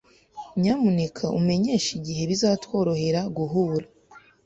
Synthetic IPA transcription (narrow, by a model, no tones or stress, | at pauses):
ɲamunekʰaʔume̞ɲe̞ːʃiɟiɦe̞βizatwo̞ːɾo̞he̞ɾaɡuɦuːɾa